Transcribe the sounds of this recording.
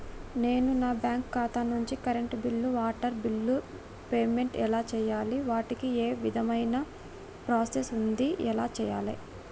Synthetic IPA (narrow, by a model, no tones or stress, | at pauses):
ne̞ːnunaːbjaːŋkːaːt̪anuɲt͡ʃikɐɾeɳʈbilːuʋaːʈɐɾbilːu | peːme̞ɳʈɛlaːt͡ʃɛːjaːliʋaːʈikieːʋid̪ʱɐmɐjnɐ | pɾaːsesund̪iɛlaːt͡ʃɛːja̰ːlḭ